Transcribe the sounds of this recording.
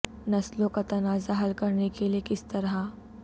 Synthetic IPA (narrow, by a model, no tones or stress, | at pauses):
nɐslõkat̪ɐnaːzaɦɐlkɐɾnekeliekɪst̪ɐɾa